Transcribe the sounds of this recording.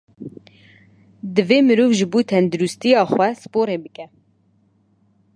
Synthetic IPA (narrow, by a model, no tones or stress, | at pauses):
d̪ɨveːmɨɾuːvʒɨbuːt̪ʰɛnd̪uɾust̪ijɑːxwɛsɨ̥poːɾeːbɨkɛ